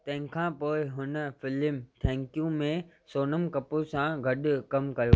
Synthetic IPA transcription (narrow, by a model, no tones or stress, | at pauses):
t̪ɐ̃ɦɪ̃kʰãpoːɪɦʊnə̆fɪlɪmt̪ʰɛ̃ːŋkjũmẽ | soːnəmkɐposãɡʱɐɗʊ̆kɐmkɐjoː